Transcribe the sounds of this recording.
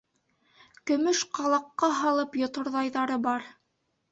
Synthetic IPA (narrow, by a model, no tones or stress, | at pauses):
kɵ̆mɵʃqɑlˠɑqːɑɦɑlˠɤpjŏt̪ŏɾðɑjðɑɾɤbɑɾ